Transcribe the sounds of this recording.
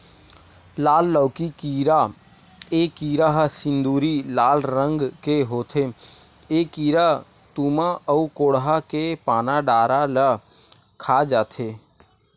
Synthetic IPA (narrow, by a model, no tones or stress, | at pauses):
laːlːəʊkikiːɾa | ekiːɾaɦsɪ̃nd̪uːɾilaːlɾə̃ŋɡkeɦoːt̪ʰe | ekiːɾa | t̪uːmaʔəukoːɽɦakepaːnaɖaːɾalə | kʰad͡ʒaːt̪ʰe